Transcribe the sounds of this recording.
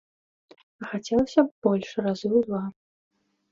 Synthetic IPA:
ɐxat͡sʲɛlˠɐsʲɐb̥ɔlʲʂrazɨwd̪va

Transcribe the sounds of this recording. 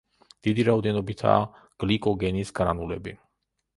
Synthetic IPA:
d̪̥id̪iɾaɔd̪ɛnɔbit̪ʰa̰ː | ɡ̥likʼɔɡɛnisɡ̥ɾa̰nulɛbi

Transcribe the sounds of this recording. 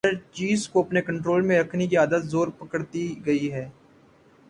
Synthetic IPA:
ɐɾt͡ʃiːzkoɐpnekɐ̃ɳʈɾoːlmẽɾɐkʰnek̬iaːd̪ət̪zoːɾpɐkəɽt̪iɡɐiɦɛː

